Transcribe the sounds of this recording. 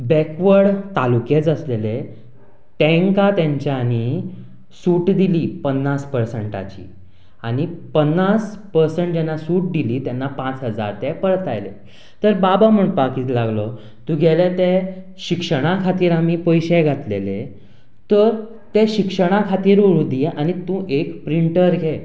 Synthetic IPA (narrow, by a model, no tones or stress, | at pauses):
bɛkʋəɽt̪alukjet͡səslele | t̪ẽŋkat̪jãɲt͡ɕjañi | suːʈd̪iliːpənːaspəɾsəɳʈa̰t͡ɕḭː | aɽ̃ipənːaspəɾseɳʈ̚d͡ʑɛnːasuːʈ̚d̪iliːt̪jɛnːapãt͡sɦəd͡za̰ɾt̪ɛpəɾt̪ajlḛ | t̪əɾbabam̤əɳpakiːt̪laɡlɔ | t̪ũɡʱɛlet̪e | ɕikʂəɽ̃akʰat̪iːɾamipəjɕɛɡʱat̪lḛle | t̪əɾ | t̪eɕikʂəɽ̃akʰat̪iːɾuɾud̪iʔañit̪ũːʔekpɾiɳʈəɾɡʱe